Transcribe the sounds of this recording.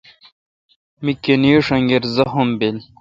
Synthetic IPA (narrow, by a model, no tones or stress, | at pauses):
mikenijoʂɐŋɡeɾzɐɦombel